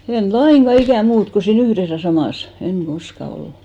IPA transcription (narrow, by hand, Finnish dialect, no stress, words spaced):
en lɑiŋɡ̊ɑ ikæˑ muːt ko siːn yhres jɑ sɑmɑˑs eŋ ɡ̊oskɑ olːu